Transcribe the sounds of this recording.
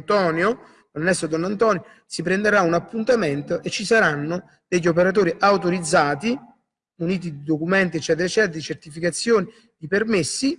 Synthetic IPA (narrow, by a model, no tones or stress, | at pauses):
t̪ɔːnjo | d̪onːɛst̪od̪ɔnːant̪ɔːnjo | sipɾɛnd̪eɾaunapːunt̪amɛnt̪oʔet͡ʃːisaɾanːʊ | d̪̥ɛʎːop̬eɾat̪̬oːɾiʔawt̪oɾid̪zːaːt̪i | uniːt̪̬id̪id̪okumɛnt̪iɛt͡ʃːɛːt̪eɾɛt͡ʃːɛːt̪ɾd̪it͡ʃɛrt̪ifikat̪sːjoːni | d̪ipɛrmesːi